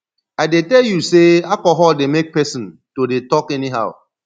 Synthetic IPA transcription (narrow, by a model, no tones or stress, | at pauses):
aɪdetɛljuseakɔɦɔldemek̚pɛsɔ̃ntodetɔkɛniɦa̰ʊ